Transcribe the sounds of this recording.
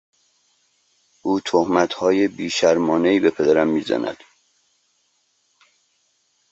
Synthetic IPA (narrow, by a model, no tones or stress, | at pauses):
ʔuːt̪ʰohmæt̪hɒːjebiːʃæɾmɒːneiːbe̞pʰe̞d̪æɾæmːiːzæ̰næ̰d̪̥